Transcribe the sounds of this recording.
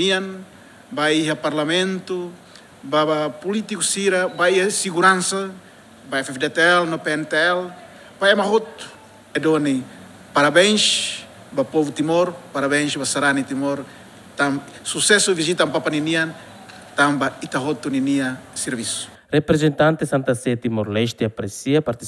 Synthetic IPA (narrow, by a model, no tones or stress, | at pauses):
nian | baiɦaparlamẽnt̪u | baβapulit̪ikusiɾabaiasiɣuɾansa | baɛfɛfd̪et̪eɛlnopeɛnt̪eɛl | baemaɦot̪u̥ | ɛdoni | paɾabɛnʃ | bapovut̪imoɾpaɾaβẽʃbasaɾanit̪imoɾ | t̪am | susɛsuvizit̪ampapaninia | t̪ambait̪aɦot̪uniniaseɾvisu̥ | repɾezent̪ant̪esãnt̪aset̪imoɾleʃt̪eapɾesiapaɾt̪i